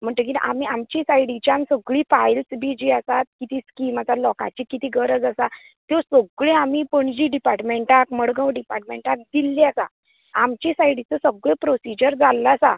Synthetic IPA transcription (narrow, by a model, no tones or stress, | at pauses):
m̤əɳʈək̬ina̰ʔamiamt͡ɕisajɽit͡ɕjãnsəɡɭiːpajlsbid͡ʑiːasat̪̚kit̪iːskimat͡salɔkã̰t͡ɕiːkːit̪iːɡəɾəd͡zasa | t̪osoɡɭẽamipəɳd͡ʑiːɖipaɾʈmeɳʈakməɽɡə̃wɖipaɾʈmeɳʈak̚d̪ilːiasa̰ | amt͡ɕisajɽit͡səsəɡɭepɾosid͡ʑəɾd͡zalːasa